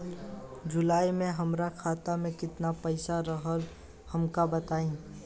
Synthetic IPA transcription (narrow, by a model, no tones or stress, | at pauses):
d͡ʒʊlaːimẽɦɐmɾakʰaːt̪amẽkɪt̪napəɪsaɾəɦəl | hɐmkabɐt̪aːĩː